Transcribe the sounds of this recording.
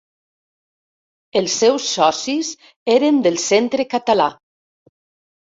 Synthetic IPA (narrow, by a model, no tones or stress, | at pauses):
elˠsːɛwsːɔsiz | eɾend̪əlˠsent̪ɾekat̪ala